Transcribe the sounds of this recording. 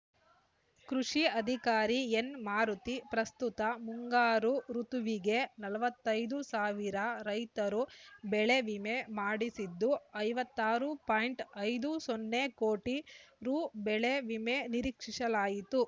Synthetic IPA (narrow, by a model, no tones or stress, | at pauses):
kɾuʂiɐd̪ʱikaːɾienmaːɾut̪ipɾɐst̪ut̪ɐmuŋɡaːɾuɾut̪uʋiɡe̞nɐlɐʋɐt̪ːɐjd̪usaːʋiɾɐɾɐjt̪ɐɾubɛɭeʋimemaːɽisid̪ːuɐjʋɐt̪ːaːɾupaːjɳʈɐjd̪usonːekoːʈiɾubɛɭe̞ʋime̞niɾiːkʂiʂɐlaːjit̪u